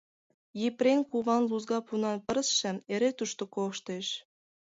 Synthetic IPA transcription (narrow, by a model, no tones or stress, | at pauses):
jiprenkuβɑnluzɡɑpunɑnpə̆ɾəsʃə̆meɾet̪uʃt̪okoʃt̪eʃ